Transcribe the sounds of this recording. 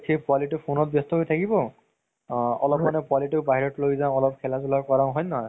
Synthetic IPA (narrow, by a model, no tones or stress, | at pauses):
tʰiepwaliʈɔpʰonɔt̚bjɔst̪ɔɦojt̪ʰakibɔ | ɔlɔpmanɛpwaliʈɔɹbaɦiɹɔtlojzãɔlɔp̚kʰɛlazulakɔɹãʊ̃ɦɔjnaɦɔj